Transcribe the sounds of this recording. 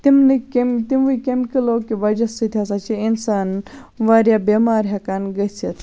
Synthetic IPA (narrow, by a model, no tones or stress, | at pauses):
t̪imnikemt̪imʋujkʲemkilokiʋɐd͡ʒɐsit̪ʰiɐs̬at͡ʃiinsaːn | ʋaɾjabemaːɾɦɐkanɡɐset̪